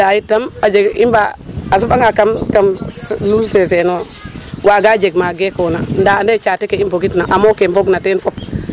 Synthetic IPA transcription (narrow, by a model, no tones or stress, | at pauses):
dajitːamad͡ʒeɡḭmbaas̬ubaŋakamkamlulses̬eno | waɡad͡ʒeɡmaɡekonandandet͡ʃatekeimboɡitnaʔamokemboɡnatenfop̚